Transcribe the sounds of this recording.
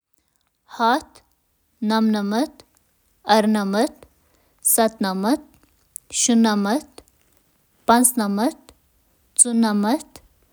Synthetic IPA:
hat̪ʰ | nɐmnɐmɐt̪ | ɐɾnɐmɐt̪ | sɐt̪nɐmɐt̪̚ | ʃunɐmɐt̪ | pɐnt͡snɐmɐt̪̚ | t͡sunɐmɐt̪

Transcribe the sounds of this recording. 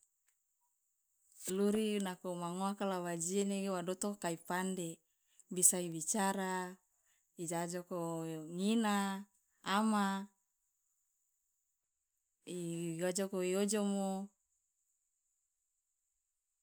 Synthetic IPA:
luɾinakomaŋoakalawad͡ʒieneɡewadot̪okaipande | bisaibit͡ʃaɾa | id͡ʒad͡ʒokoŋinaː | ma | iɡad͡ʒokoiod͡ʒomo

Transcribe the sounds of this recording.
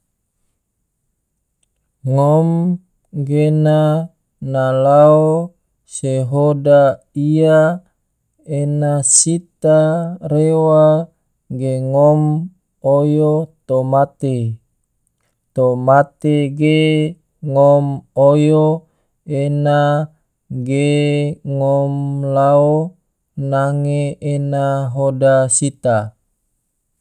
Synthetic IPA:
ŋom | ɡena | nalao | seɦoda | ia | enasit̪aɾewa | ɡeŋɔm | ojot̪omat̪e | t̪omat̪eɡe | ŋomojo | ena | ɡeŋomlao | naŋeʔenaɦodasit̪a

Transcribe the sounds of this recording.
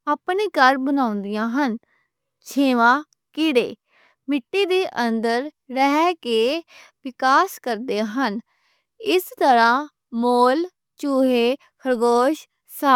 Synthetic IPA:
aːpneːkəɾbənaːʊ̃nd̪ɪjãːɦən | t͡ʃʰeːʋãː | kɪɽḛː | mɪʈːiːd̪eːʔənd̪əɾː | ɛɦɛːkeː | ʋɪkaːskəɾd̪eːɦən | ɪst̪əɾãː | moːl | t͡ʃuːɦeː | kʰəɾɡoːʃ | saː

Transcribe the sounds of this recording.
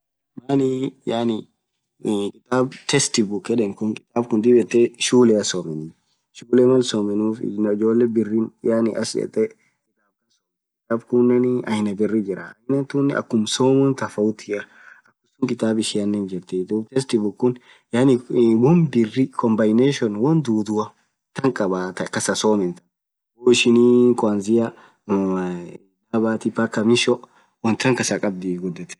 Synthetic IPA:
maːnijaːnɪ | kʼɪt̪ʼaːbt̪ʰɛst̪ɪbʊkɛᶑɛnkʊŋkʼɪ̥t̪ʼaːbkʊnd̪ɪbɛt̪ːɛʃuːleːɐsoːmɪnɪ | ʃuːleːmɐlsomɪnuːfɪ̰nɪd͡ʒoːlːɛbɪrːinjaːnɪʔɐsd͡ʒɛ̰t̪ʼɛ | kʼɪt̪ʼaːbkɐso | kʼɪt̪ʼaːbkunːɛnɪɐjnɐbɪrːɪd͡ʒɪɾɐɐjnɐt̪unːɪɐ̰kːʊmsoːmʊnt̪ɐfɐʊt̪ʰɪɐ | ɐkːʊsʊŋkʼɪt̪aːbɪʃɪjɐnːɛnd͡ʒɪɾt̪ɛt̪oːbt̪ɛst̪ɪbʊkːʊn | jɐnɪwɔnbɪrːɪkʰɔmbɐjneʃɔnwɔnd̪uːd̪ʊwɐ | t̪ɐŋkʼɐbat̪ɐkːɐsɐsoːmɛnt̪ɐ | woɪʃɪnikɔɐnzɪjɐ | labaːt̪ɪpɐkːɐmɪʃɔ | wɔnt̪ːɐŋkɐsɐkʼɐb̚d̪ɪɡʊd̪ɛt̪ɛ̥

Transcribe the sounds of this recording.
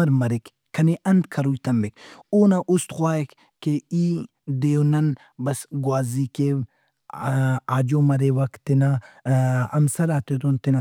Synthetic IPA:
ɐɾmɐɾɪk | kʰːɐneʔɐnd̪kʰɐɾuit̪ɐmbɪkoːnaʔʊst̪xwaːjek | keiː | d̪eːonɐn | bɐsɡwaːzike | aːd͡ʒoːmɐɾeʋɐkt̪ːina | ɐmsɐlaːt̪et̪ont̪ɪna

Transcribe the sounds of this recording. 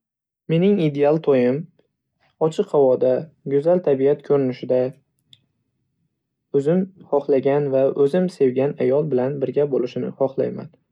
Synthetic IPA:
me̞nɪŋid̪e̞alˠt̪ʰojɪm | ɒt͡ʃʰɪqhɒwɒd̪a | ɡʊzalt̪ʰabiat̪kʰɵɾɪnɪʃɪd̪a | ɵzɪmχɒχlˠaɡʲanvaɵzɪmse̞wɡʲanajɒlˠbɪlanbɪɾɡʲabolɪʃɪnɪ̰χɒχlˠa̰jma̰n

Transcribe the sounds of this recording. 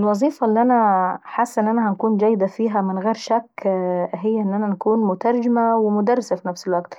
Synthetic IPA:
ʔɪlwɑzˤiːfɑɪlːiʔanaħasːʔɪnːʔanaɦankuːnd͡ʒajːɪd̪afiːɦamɪnɣeːɾʃakːɦɪjːaʔɪnːʔananakuːnmʊt̪ɑɾˤd͡ʒɪmawɪmʊd̪ɑrˤːɪsafiːnafsɪlwaɡt̪

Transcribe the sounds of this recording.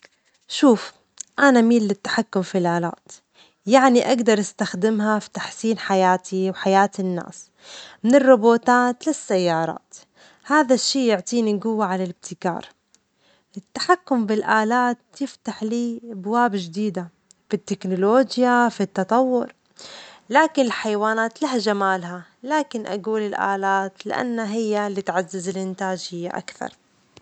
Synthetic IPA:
ʃuːf | ʔanamiːlːɪt̪ːḁħakːʊmfilʔaːla̰ːt̪ | jaʕniʔaɡd̪ɑɾˤʔast̪axd̪ɪmɦafi̥t̪ḁħsiːnħajaːt̪ʰiwħajaːt̪ɪnːa̰ːs | mɪnɪrˤːʊboːt̪aːt̪lɪsːajːɑːɾˤɑ̰ːt̪ | haːðaʃːiːjʊʕt̪ˤiːniɡʊwːaʕalalɪb̚t̪ɪkɑ̰ːɾˤ | ʔɪt̪ːḁħakːʊmbɪlʔaːlaːt̪jɪft̪aħliːbwaːbd͡ʒd̪iːd̪a | fit̪ːɪknʊloːd͡ʒjafit̪ːɑt̪ˤɑwːʊɾ | laːkɪnɪlħajawaːnaːt̪laɦaʒamaːlɦalaːkɪnʔa̰ɡuːlɪlʔa̰ːlaːt̪lɪ̰ʔa̰nːaɦɪjːalit̪ʕazːɪzɪlʔɪnt̪aːd͡ʒhɪjːa̰ʔa̰kθɑ̰ɾˤ

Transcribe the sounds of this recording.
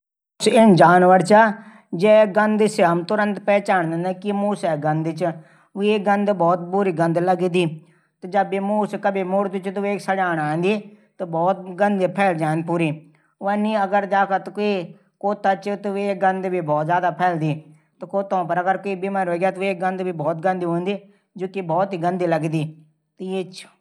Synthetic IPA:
sɪnd͡ʒaːnʋəɾt͡ʃə | d͡ʒeːɡənd̪seəmt̪ʊɾə̃nt̪pɛːt͡ʃaːɳd̪enekimuːsɛːɡənd̪t͡ʃ | ʋieːɡənd̪bɔːt̪̚buɾiːɡə̃nd̪ləɡd̪iː | t̪ːd͡ʒəbiːmuːskəbiːmʊɽd̪ʊt͡ʃt̪ʊeːksəɽaːɳãːnd̪iːt̪obɔːt̪̚ɡənd̪eːpʰɛːld͡ʒãːnpuːɾiː | ʋəniːəɡəɾd͡ʒaːkət̪koiː | koːt̪aːt͡ʃt̪eːɡənd̪biːbɔːt̪zjaːd̪aːpʰɛːld̪iː | t̪oːkoːt̪ãːpəɾəɡəɾkoːiːbiːmaːɾɦoːɛɡaːt̪ːʋeːk̚ɡə̃nd̪biːbɔːt̪ɡə̃nd̪iːɦõːnd̪iː | d͡ʒoːkibɔːt̪iːɡə̃nd̪eːləɡd̪iː | t̪ːeːt͡ʃ

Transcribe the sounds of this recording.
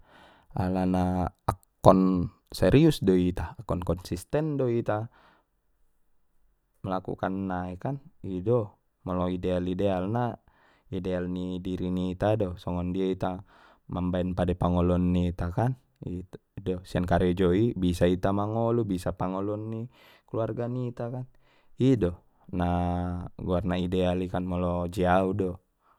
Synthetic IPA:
a̰lanaakːɔn | sɛɾiusdɔit̪aːkːɔnkɔnsist̪ɛndɔit̪a | məlakṵkanːaɛkanidɔ | mɔlɔidɛalidɛalna | idɛalnidiɾiniːt̪adɔsɔŋɔndiait̪a | mambaɛnpadɛpaŋɔlɔnːit̪akan | i | dɔsiankaɾɛd͡ʒɔibisait̪amaŋɔlubisapaŋɔlɔnːi | kluarɡanit̪akan | idɔ | na | ɡuarnaidealikanmɔlɔd͡ʒiaudɔ

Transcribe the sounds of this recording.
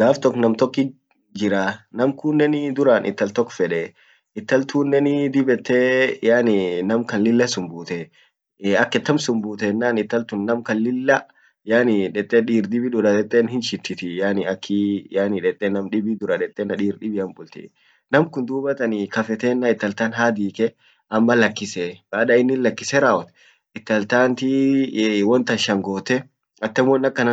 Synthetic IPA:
ɡ̥aːft̪ɔkːnɐmt̪ɔkːɪ | d͡ʒɪɾanɐmkunːɛnd̪ʊɾanʔɪ̰t̪ːɐlt̪ɔkːfɛᶑɛ | ʔɪt̪ːɐlt̪uːnːɛnɪd̪ɪbɛt̪ʰːeːjaːnɪnɐmkɐnlɪlːɐsʊmbuːt̪ɛ | ɐkːɛt̪ːɐmsʊmbuːt̪ɛnːaːnɪt̪ːɐlt̪ʊnːɐmkɐnlɪlːɐ | jaːnɪᶑɛt̪ʼːɛᶑiːɾd̪ɪbɪᶑ̪ʊᶑɐt̪ɛt̪ʼːeːnhɪnʃɪt̪ːɪt̪ɪjaːnɪɐkʰːɪjaːnɪᶑɛt̪ʼːeːnːɐmᶑɪbid̪ʊɾɐᶑɛt̪ʼːeːnɐᶑiːɾᶑɪbɪɐmbʊlt̪ɛ̰ | nɐmkʊnd̪uːbɐt̪ɐnɪkɐfɛt̪eːnːɐɪt̪ːɐlt̪aːnɦaːd̪iːkɛ | ʔɐmːɐlɐkːɪsɛb̥aːᶑɐɪnːɪlɐkːɪsɛɾaːɔt̪ | ɪt̪ːɐlt̪aːnt̪i | wɔnt̪ɐnʃɐŋɡoːt̪ɛ | ɐt̪ːɛmɔnːɐkːɐnɐ

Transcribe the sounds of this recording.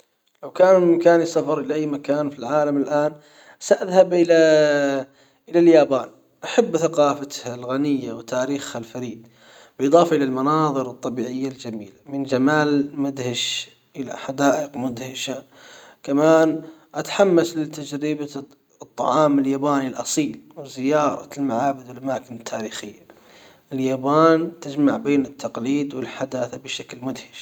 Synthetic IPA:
lawkaːnɪmkaːnisafɑɾˤʔɪlaʔajːmakaːnfilʕaːlamɪlʔaːn | ʔsaʔaðhabʔɪla | ʔɪlaljaːbaːn | ʔaħabːθaqɑːfat̪halɣanɪjːawt̪ʰaːɾiːxhalfaɾiːd̪̚ | b̥ɪʔɨðˤɑːfɑʔɪlalmɑnɑːðˤɨɾɨt̪ˤːɑbiːʕɪjːald͡ʒamiːlamɪnd͡ʒamaːlmʊd̪haʃ | ʔɪla̰ħad̪aːʔɪqmʊd̪hɪʃa | kamaːnʔat̪ḁħamːaslɪt̪ad͡ʒɾɪba | t̪ˤːɑ̰ʕɑːmɪljaːbaːnilʔɑsˤiːlwzɪjɑːɾˤɑ̰lmaʕaːbɪd̪wɪlʔamaːkɪnɪt̪ʰːaːɾiːxɪjːa | ʔɪljaːbaːnt̪ɪd͡ʒmaʕbeːnɪt̪ːɑqliːd̪wɪlħad̪aːθabɪʃaklmʊd̪hɪʃ

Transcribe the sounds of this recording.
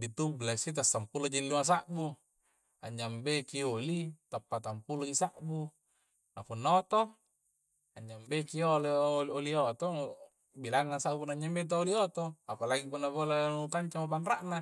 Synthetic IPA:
dit̪ublasit̪asːampulod͡ʒinduas̬aʔbu | aɲd͡ʒambekiolit̪apːat̪ampuloisaʔbu | napunːaot̪o | aɲːambekiololiot̪oŋ | bilaŋnasaʔbunaɲambet̪̬ooliot̪oapalaɡipunːabolanut̪aɲt͡ʃamapanraʔna

